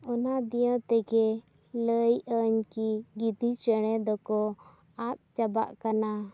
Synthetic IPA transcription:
ɔnad̪ijãt̪ɛɡɛ | ləjəɲkiɡid̪ʱit͡ʃəɽ̃ɛd̪ɔkɔ | at̪̚t͡ʃaba̰ʔkana

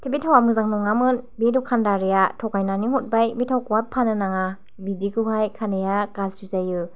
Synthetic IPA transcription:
tʰibitʰawamɯzaŋnuŋːamɯnbidukʰandaɾiatʰɔkajnaniŋhut̚bajbitʰawkuwapʰːanɯnaŋa | bidikʰɯɦajkʰanejakazɾizajɯ

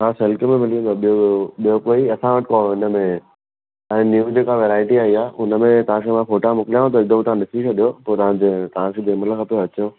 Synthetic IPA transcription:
mãselkəmẽmɪlijũd̪oɓijooɓijokoːiɐsãʋəʈɪkɔɪnəmẽ | ɛ̃ːnjuːd͡ʑeːkaʋeɾaːɪʈiaːiaːʔʊnəmẽt̪ɐʋ̤ãkʰeːmãfoːʈamʊkɪljãɦũt̪̬oɪɡ̚d̪əm̃t̪ɐʋãnɪsit͡ʃʰoɗijopoːt̪ɐʋ̤ãd͡ʑet̪ɐʋ̤ãkʰeːd̪eːməlkʰapijoɐt͡ɕõ

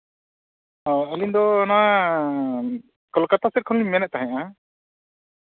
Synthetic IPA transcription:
ɔəlind̪ɔnɔwa | kɔlkat̪asɛɾ̚kʰɔnlimɛnɛt̪̚t̪aɦɛ̃ʔa

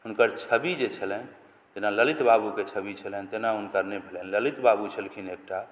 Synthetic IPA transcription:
unkəɾt͡ʃʰəbid͡ʒet͡ʃʰələn | d͡ʒenaləlit̪babuket͡ʃʰəbit͡ʃʰələnt̪enaunkəɾnɛbʱelənləlit̪babut͡ʃʰəlkʰinek̚ʈa

